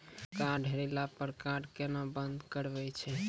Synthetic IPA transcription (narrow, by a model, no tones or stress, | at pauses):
kãɖʱeɾelapəɾkãɖkenabənd̪kəɾbɛt͡ʃʰɛ